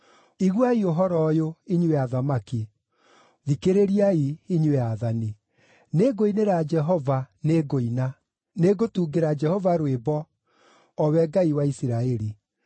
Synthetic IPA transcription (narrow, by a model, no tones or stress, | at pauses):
iɣwaioɦɔɾɔjoiɲweaðamaki | ðikeɾeɾiaiiɲweaðani | neɡoineɾad͡ʒɛɦɔvaneɡoina | neɡotuːɡeɾad͡ʒɛhɔvaɾwebɔ | ɔwɛɡaiwaisiɾaɛɾi